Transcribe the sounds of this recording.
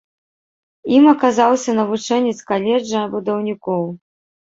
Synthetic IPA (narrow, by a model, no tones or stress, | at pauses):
imɐkazawsʲɐnɐvut͡ʂɛnʲɛt̪skalʲɛd͡ʐɐbud̪ɐwnʲikɔw